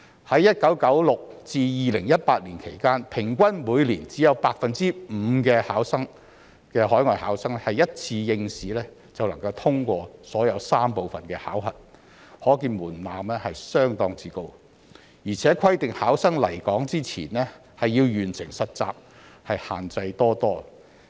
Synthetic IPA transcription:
hɐ˨˥jːɐ˥t̚kɐ˨˥wkɐ˨˥wlʊ˨k̚t͡siː˧jiː˨˧lɪ˨˩ŋjɐ˥t̚paː˧t̚liː˨˩nkʰe˨˩jkaː˥npʰɪ˨˩ŋkʷɐ˥nmuː˨˧jliː˨˩nt͡siː˨˥jɐ˨˧wpaː˧k̚fɐ˨nt͡siː˥m̩ː˨˧kɛː˧haː˨˥wsɐ˥ŋ | kɛː˧hɔː˨˥jŋɔː˨jhaː˨˥wsɐ˥ŋɛ˥hɐ˨jɐ˥t̚t͡sʰiː˧jɪ˧ŋsiː˨˥lɛː˥ | t͡sɐ˨wlɐ˨˩ŋkɐ˧wt̪ʰʊ˥ŋkʷɔː˧sɔː˨˥jɐ˨˧wsaː˥mpo˨˧wfɐ˨nkɛː˧ha̰ː˨˥wɦɐ̰˨t̚ | hɔː˨˥kiː˧nmuː˨˩nlaː˨mlɛː˥hɐ˨jsœː˥ŋt̪ɔː˧ŋt͡siː˧ko˧w | jiː˨˩t͡sʰɛː˨˥kʰɐ˥jt̪ɪ˨ŋhaː˨˥wsɐ˥ŋlɐ˨˩jkɔː˨˥ŋt͡siː˥t͡sʰiː˨˩nɛː˥ | hɐ˨jːiː˧wjyː˨˩nsɪ̰˨˩ŋsɐ˨t̚t͡sa̰ː˨p̚ | hɐ˨jha̰ː˨˩nt͡sɐ˧jt̪ɔː˥t̪ɔː˥

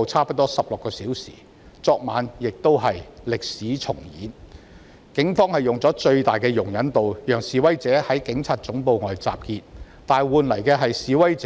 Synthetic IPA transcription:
wt͡sʰaː˥pɐ˥t̚t̪ɔː˥sɐ˨p̚lʊ˨˩kːɔː˧siː˨˥wsḭː˨˩ | t͡sɔː˧k̚maː˨˧njɪ˨k̚t̪o˥wɦɐ˨jlɪ˨k̚siː˨˥t͡sʰʊ̰˨˩ŋjḭː˨˥n | kɪ˨˥ŋfɔː˥ŋhɐ˨jʊ˨ŋt͡sɔː˨˥t͡ʃɵ˧ɥt̪aː˨˩jkɛː˧jʊ˨˩ŋjɐ˨˥nt̪o˨wjœː˨˩ŋsiː˨˩wɐ˥jt͡sɛː˨˥hɐ˨˥jkɪ˨˥ŋt͡sʰaː˧t̚t͡sʊ˨˥ŋpo˧wŋɔː˨jt͡sa̰ː˨p̚kiː˧t̚ | t̪aː˨nwuː˨nlɐ˨˩jkɛː˧ɦɐ˨jsiː˨wɐ˥jt͡sː

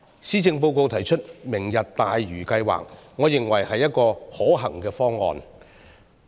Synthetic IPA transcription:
siː˥t͡sɪ˧ŋpo˧wko˧wt̪ʰɐ˨˩jt͡ʃʰɵ˥t̚mɪ˨˩ŋjɐ˨t̚t̪aː˨jɥyː˨˩kɐ˧jwa̰ː˨k̚ŋɔː˨˧jɪ˨ŋwɐ˨˩jhɐ˨jːɐ˥t̚kɔː˧hɔː˨˥ɦɐ˨˩ŋkɛː˧fɔː˥ŋːɔ̰ː˨˧n

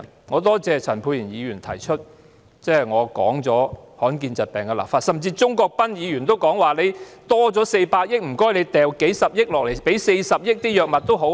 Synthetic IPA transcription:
ŋɔː˨˧t̪ɔː˥t͡sɛː˨˧t͡sʰɐ˨˩npʰuː˨˧jiː˨˩njiː˨˧ɥyː˨˩nt̪ʰɐ̰˨˩jt͡ʃʰɵ˥t̚ | t͡sɛː˥jŋɔː˨˧kɔ̰ː˨˥ŋt͡sɔː˨˥hɔː˨˥nkiː˧nt͡sɐ˨t̚pɛː˨ŋkɛ˧la̰ː˨˩pfaː˧t̚sɐ˨mt͡siː˧t͡sʊ˥ŋkɔː˧k̚pɐ˥njiː˨˧ɥyː˨˩nt̪o˥wkɔː˨˥ŋwaː˨le˨˧jt̪ɔː˥t͡sɔː˨˥se˧jpaː˧k̚jɪ˥k̚m̩˨˩kɔː˥jle˨˧jt̪ɛː˨wke˨˥jsɐ˨p̚jɪ˥k̚lɔː˨k̚le˨˩jpe˨˥jse˧jsɐ˨p̚jɪ˥k̚t̪iː˥jœː˨k̚mɐ˨t̚t̪o˥wɦo˨˧˥w

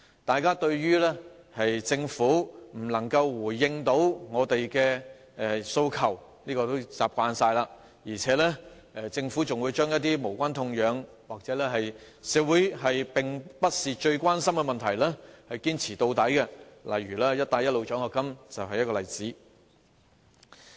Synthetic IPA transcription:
t̪aː˨jkaː˥t̪ɵ˧ɥɥyː˥lɛː˥hɐ˨jt͡sɪ˧ŋfuː˨˥m̩˨˩lɐ˨˩ŋkɐ˧wwuː˨˩jːɪ˧ŋt̪o˨˥wŋɔː˨˧t̪e˨jkɛː˧ | ɛ˨so˧wkʰɐ˨˩w | liː˥kɔː˧t̪o˥wt͡saː˨p̚kʷaː˧nsaː˧jlaː˧ | jiː˨˩t͡sʰɛː˨˥lɛː˥ | ɛ˧t͡sɪ˧ŋfu˨˥t͡sʊ˨ŋwuː˨˧jt͡ʃœː˥ŋjɐ˥t̚t̪iː˥mo˨˩wkʷa˥nt̪ʰʊ˧ŋjœː˨˧ŋ | waː˨k̚t͡sɛː˨˥lɛː˥hɐ˨j | sɛː˨wuː˨˥jɦɐ˨jpɪ˨ŋpɐ˥t̚siː˨t͡ʃɵ˧ɥkʷwaː˥nsɐ˥mkɛ˧mɐ˨nt̪ʰɐ˨˩jlɛː˥hɐ˨jkiː˥nt͡sʰiː˨˩t̪o˧wt̪ɐ˨˥jkɛ˧lɐ̰˨jɥyː˨˩laː˥jɐ˥t̚t̪aː˧jɐ˥t̚lo˨˧wt͡ʃœː˨˥ŋhɔː˨˧kːɐ˥mt͡sɐ˨wɦɐ˨jɐ˥t̚kɔː˧lɐ˨˩jt͡siː˨˥

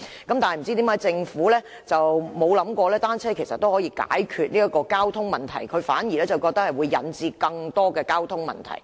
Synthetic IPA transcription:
kɐ˨˦mt̪aː˨nhm̩˨˩t͡si˥t̪i˨˥maː˧˥jt͡sɪ˧ŋfuː˨˥lɛː˥ | t͡sɐ˨wmo˨˧wlɐ˨˥mkʷɔː˧lɛː˥t̪aː˥nt͡sʰɛː˥kʰe˨˩jsɐ̰˨t̪ːo˥whɔː˨˥jiː˧ka̰ː˨˥jkʰyː˧t̚niː˥jɐ˥kɔː˧kaː˥wt̪ʰʊ˥ŋmɐ˨nt̪ʰɐ̰˨˩jkʰɵ˨˧ɥfa̰ː˨˥njiː˨˩lɛː˥t͡sɐ˨˩wkɔː˧k̚t̪ɐ˥k̚hɐ˨jwuː˨˧jːɐ̰˨˥nt͡siː˧kɐ˧ŋt̪ɔː˥kɛː˧kaː˥wt̪ʰʊ˥ŋmɐ̰˨nt̪ʰɐ̰˨˩j

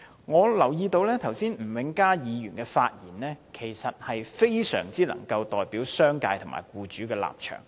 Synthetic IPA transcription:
ŋɔː˨˧lɐ˨˩wjiː˧t̪o˧wlɛː˥t̪ʰɐ˨˩wsiː˥nm̩˨˩wɪ˨˥ŋkaː˥jiː˨˧jyː˨˩nkɛː˧faː˧t̚jiː˨˩nlɛː˥kʰe˨˩jsɐ˨t̚hɐ˨jfe˥jsœ̰ː˨˩ŋt͡siː˥lɐ̰˨˩ŋkɐ˧wt̪ɔː˨jpiː˨˥wsœː˥ŋkaː˧jt̪ʰʊ˨˩ma̰ː˨˩jkuː˧t͡ʃyː˨˥kɛː˧la̰ː˨p̚t͡ʃʰœ̰ː˨˩ŋ

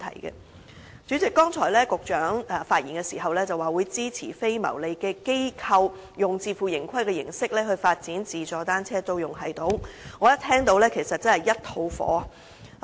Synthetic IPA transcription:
t̪ʰɐ̰˨˩jkɛ̰˧ | t͡ʃyː˨˥t͡sɪ˨kːɔː˥ŋt͡sʰɔː˨˩lɛː˥kʊ˨k̚t͡ʃœː˨˥ŋ˨faː˧t̚jiː˨˩nkɛː˧siː˨˩ɦɐ˨wlɛː˥t͡sɐ˨waː˨wuː˨˧jt͡siː˥t͡sʰḭː˨˩fe˥jmɐ̰˨˩wle˨˧jkɛː˧ke˥jkʰɐ˧w | jʊ˨ŋt͡siː˧fuː˨˩jɪ˨˩ŋkʰɐ˥jkɛ˧jɪ˨˩ŋsɪ˥k̚lɛː˥hɵ˧ɥfaː˧t̚t͡siː˨˥nt͡siː˨˩t͡ʃɔː˨˧t̪aː˥nt͡sʰɛː˥t̪o˧wjʊ˨˩ŋɦɐ˨˩jt̪o˨˧˥wŋɔː˨˧jɐ˥t̪ʰɛː˥ŋt̪o˧wlɛː˥kʰe˨˩jsɐ˨t̚t͡sɐ˥nhɐ˨˩jɐ˥t̚t̪ʰo˧wfɔ̰ː˨˥˨

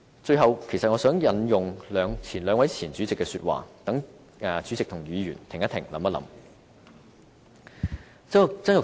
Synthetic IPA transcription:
t͡ʃɵ˧ɥɦɐ˨wkʰe˨˩jsɐ˨t̚ŋɔː˨˧sœː˨˥ŋjɐ˨˥njʊ˨˩ŋlœː˨˧ŋt͡sʰiː˨˩nlœː˨˧ŋwɐ˨˥jt͡sʰiː˨˩nt͡syː˨˥t͡sɪ˨kːɛ˧syː˧t̚wa̰ː˨t̪ɐ˨˥ŋː˨˩ | t͡syː˨˥t͡sɪ˨k̚t̪ʰʊ˨˩ŋjyː˨˧ɥyː˨˩nt̪ʰɪ˨˩ŋjɐ˥t̪ʰɪ̰˨˩ŋlɐ̰˨˥mɐ˥t̚lɐ̰˨˥m | t͡sɐ˥ʊ˨t͡sɐ˥njʊ˨

